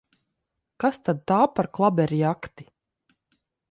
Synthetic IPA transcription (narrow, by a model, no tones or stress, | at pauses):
kast̪ad̪̚t̪aːpaɾklˠabɛɾijakt̪i̥